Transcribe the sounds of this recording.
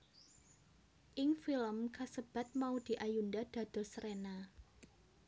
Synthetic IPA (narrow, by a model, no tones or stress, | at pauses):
ʔɪŋfiləmkasəb̥a̤t̪̚maud̪̥i̤ʔajundad̪̥ä̤d̪̥ɔ̤sɾena